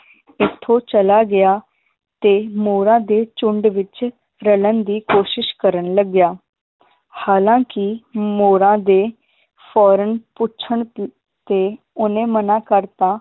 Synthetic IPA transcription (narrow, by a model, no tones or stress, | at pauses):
ɪt̪ʰːõːt͡ʃəlaːɡɪjaː | t̪eːmoːɾãːd̪eːt͡ʃʊɳɖʋɪt͡ʃ | ɾələnd̪iːkoːʃɪʃkəɾənləɡjaː | haːlãːkɪmoːɾãːd̪eː | pʰɔːɾənpʊtːt͡ʃʰəɳ | t̪eː | ʊnẽːmənãːkəɾt̪ãː